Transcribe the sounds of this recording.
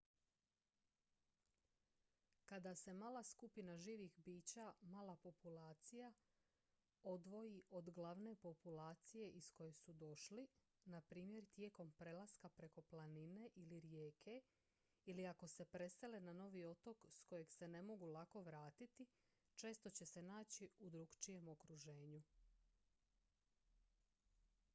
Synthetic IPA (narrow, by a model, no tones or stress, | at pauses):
kad̪ase̞maːlˠaskupinaʒiːʋixbiːt͡ɕamaːlapo̞pulaːt̪sija | o̞d̪ʋo̞jiʔo̞d̪ɡlaʋne̞po̞pulaːt̪sije̞ʔisko̞je̞sud̪o̞ʃli | napɾiːmje̞ɾt̪je̞ːko̞mpɾe̞lˠaskapɾe̞ko̞planine̞ʔiliɾjeːkʰe̞ | iliako̞se̞pɾe̞se̞lenano̞ʋio̞t̪o̞ksko̞je̞ɡse̞ne̞mo̞ɡulako̞ʋɾaːt̪it̪i | t͡ʃe̞ːst̪o̞t͡ɕe̞se̞naːt͡ɕiud̪ɾuɡt͡ʃije̞mo̞kɾuʒe̞ːɲu